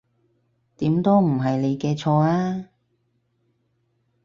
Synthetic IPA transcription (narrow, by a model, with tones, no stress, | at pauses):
t̪iː˨˥mt̪o˥m̩˨˩ɦɐ˨jle˨˧jkɛː˧t͡ʃʰɔː˧aː˥